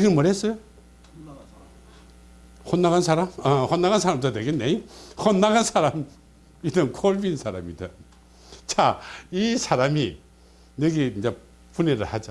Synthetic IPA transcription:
iɡɯnmɯɾesɯ | hʰonːaɣansʰaɾamahonːaɣansʰaɾamdɯdeɡenejhonːaɡansʰaɾam | idɯŋkʰolbinsʰaɾamidɯ | t͡ʃʰaisʰaɾami | neɡeina | pʰuneɾɯhad͡ʒa

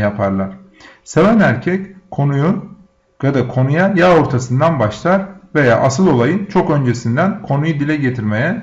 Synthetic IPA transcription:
japʰaɾlˠaɾ̥ | se̞vænæɾcʰɛckʰo̞nuju | jad̪akʰo̞nujajao̞ɾt̪ʰasɯnd̪anbaʃlˠaɾve̞ja̰ːʔasɯlˠo̞lˠajɯnt͡ʃʰo̞kø̞nd͡ʒe̞sind̪ænkʰo̞nujud̪ilʲɛɟe̞t̪ʰiɾme̞jɛ

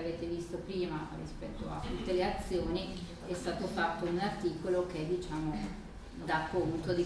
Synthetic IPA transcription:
aveːt̪evist̪opɾiːmarḭspɛt̪ːoa̰t̪ːut̪ːeleat̪sːjoːni | ɛst̪aːt̪ofat̪ːounart̪iːkolok̟eɛd̪ːit͡ʃaːmo | d̪akount̪od̪i

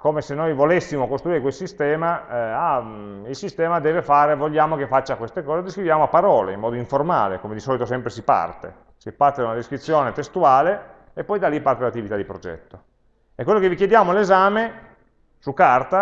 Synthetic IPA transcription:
komesenːojvolesːimokost̪ɾuiːɾekwelsist̪ɛːmaailsist̪ɛːmad̪ɛːvefaːɾevoʎːaːmokefat͡ʃːakwest̪ekɔːzed̪iskɾivjaːmoapːaɾɔːlḛimːɔːd̪oiɱforma̰ːlḛkomed̪isɔːlit̪osɛmpɾesipa̰rt̪ḛ | sipart̪ed̪aunad̪eskɾit̪sːjoːnet̪est̪uaːle | epːɔjd̪alipart̪elat̪ːivit̪ad̪ipɾod͡ʒɛ̰t̪ːo | ekːwelːokevikjed̪jaːmolezaːme | sukːart̪a

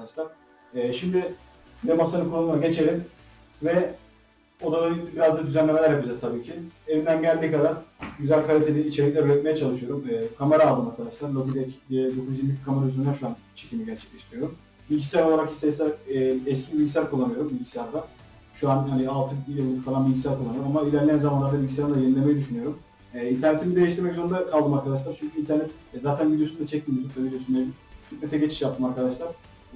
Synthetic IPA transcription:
kd̪aʃlˠaɾ̥ː | ʃimd̪ɪ | d̪ɛmasanɯkʰulˠːanmaɟe̞t͡ʃʰe̞ɾʲim | vɛ | od̪aonit̪ʲibiɾazd̪ad̪yzænlʲe̞melæɾjapid͡ʒazt̪ʰabiːcʰievind̪ænɟælʲd̪iːkad̪aɾ̥ɟyzælʲkʰaɾʲet̪ʰelʲiːt͡ʃʰe̞ɾiclʲɛøɾɛt̪̚mejɛt͡ʃʰalˠɯʃɯjo̞ɾumɛːkʰameɾaːlˠd̪ɯːmaɾkʰad̪aʃlˠaɾlot̪id̪ɛcʰːd̪o̞kʰuzjiɾmikʰameɾayzenæɾʃuant͡ʃʰe̞̥cʰimiɟæɾt͡ʃʰɛ̥c̚lʲeʃt̪iɾijoɾum | bilʲɟisʲjæɾoaɾakist̪ɛsʲæɾɛɛscʰibilʲɟisʲæɾkʰulˠːanɯjo̞ɾumbilʲɟisijaɾd̪a | ʃuanhanialˠt̪ʰɯbjɯlˠːɯfalˠanbilʲɟisæɾkʰulˠanɯoɾmamailʲæɾlʲiænzamanɾaɾt̪ʰɛbilʲɟisjaɾd̪ajenilʲe̞mejid̪yʃynyjo̞ɾum | ɛint̪ʰæɾnet̪ʰimid̪ejɛʃt̪iɾmɛkzond̪akʰalˠd̪ɯmaɾkʰad̪aʃ̬lˠaɾt͡ʃʰyɲcʰyint̪ʰæɾnɛt̪ | ɛzaːt̪ʰænvid̪ijosund̪at͡ʃʰɛc̚t̪ʰimd̪it̪ʰut̪lˠavid̪ʲjosund̪ed̪it̪ʰyt̪mɛt̪ʰɛɟet͡ʃʰi̥ʃjap̚t̪ʰɯmaɾkʰad̪aʃlˠaɾ

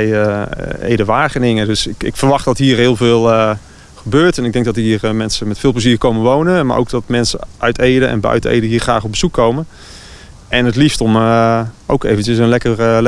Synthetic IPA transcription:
jəḛjdəʋaːχənɪŋədɵsɪ̰kfəɹʋɑχtdɑtɦiːrɦɪːlˠvɪːlˠə | χəbøːɹtɛnɪɡ̚dɛŋɡ̚dɔtɦiːrmɛnsəmɛtfɪːlˠpləziːrkowməʋownəma̰ɹʔo̰wk̚dɑtmɛnsəʔœɥtejdəʔɛ̰nbœ̰ɥtəḛjdəɦiːɹχraːχɔp̚bəz̥ukʰːowmən | ɛnətliftɔmʔo̰wkḛjvənt͡ʃəsənlɛkərl

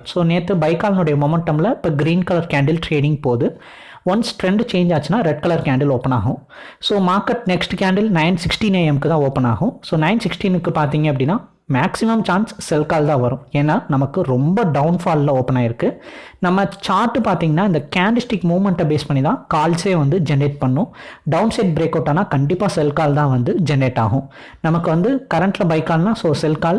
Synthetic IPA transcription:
soːneːt̪ːɯbɐɪkaːlɐnʊɽɐjɐmɔmɛɳʈɐmlɐɪpːɐːɡɾiːnkɐlɐɾkaːɳɖɪlʈɾeːɽɪ̃ŋɡ̚poːðɯ | ʋɐnsʈɾɛɳɖt͡ʃeːɲd͡ʒaːt͡ʃːɯnːaːɾɛɖ̚kɐlɐɾkaːɳɖɪloːpːɐna̰ːɣʊ̃ | soːmaːɾkɛʈnɛksʈkaːɳɖɪlnɐɪnsɪksʈineːɛmkːɯt̪ãːoːpːɐna̰ːɣʊ̃soːnɐɪnsɪksʈinɯkːɯpaːɾt̪̬iːŋɡɐp̬ːɐɽɪnːaː | maːksɪmɐmt͡ʃaːnsːɛlkaːlt̪ãːʋɐɾʊ̃eːnːaːnɐmɐkːɯɾɔmbɐɖɐʊnfaːllɐ̃oːpɐɳaːɪɾɯkːɯnɐmːɐt͡ʃaːɾʈːɯpaːɾt̪iːŋɡɐnːaːɪnd̪ɐkaːɳɖɪsʈɪkmuːmɛɳʈɐbeːspɐɳːit̪ãːkaːlseːʋɐnd̪ɯd͡ʒɛnɾeːʈ̚pɐɳːʊ̃ɖɐʊnsɐɪʈ̚bɾeːkɐʊʈːaːnaːkɐɳɖɪpːaːsɛlkaːlt̪ãːʋɐnd̪ɯd͡ʒɛnɖeːʈːa̰ːɣʊ̃ | nɐmɐkːɯʋɐnd̪ɯkɐɾɐɳʈlɐbɐɪkːaːlnaːsoːsɛlkaːl

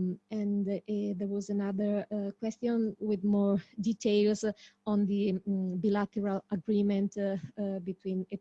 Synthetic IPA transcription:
ɛ̃nd̪ɛɹwɔzanaðəɹkwɛst̪jɔ̃nwɪðmɔɹdit̪ʰeɪlzɔ̃nd̪ibilat̪əɹalaɡɾimɛ̃ntbit̪ʰwĩnɛ

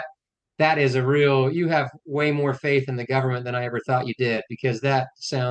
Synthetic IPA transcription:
t̚ | ðɨɾɪzɨɹilˠjɨːvweɪmɔɹfeɪθɨ̃nðɨɡʌvə˞mɨ̃nðɨ̃ɾ̃aɪɛvə˞θɔt͡ʃɨdɪd̚bɨkʰʌzðɨt̚sãʊ̃

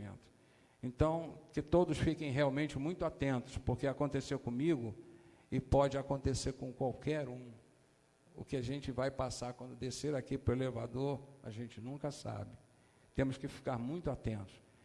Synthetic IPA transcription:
ḛ̃nt̪ʊ̥ | ẽnt̪ɐ̃w̃kɪt̪od̪ʊsfikẽj̃ɦeawmẽt͡ʃɪmũj̃t̪ʊat̪ẽnt̪ʊ̥spoɾkeakõnt̪esewkõmiɡʊ | ɪpɔd͡ʒɪakõnt̪eseɾkõkwawkɛɾũ | ʊ̰kɪaʒẽnt͡ʃɪvajpasaɾkwɐ̃nd̪ʊd̪eseɾakipɾʊelevad̪oɾa̰ʒẽnt͡ʃɪnũkɐsa̰bɪ | t̪ẽmʊskɪfi̥kaɾmũj̃t̪ʊat̪ẽnt̪ʊ̥s

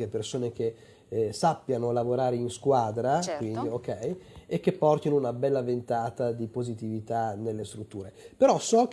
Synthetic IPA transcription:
epersoːnek̟e | sapːjanolavoɾaːɾeinskwad̪ɾakwind̪iokɛjekːepːɔrt̪inounabɛlːavent̪aːt̪ad̪ipozit̪ivit̪anelːest̪ɾut̪ːuːɾepeɾɔsɔk

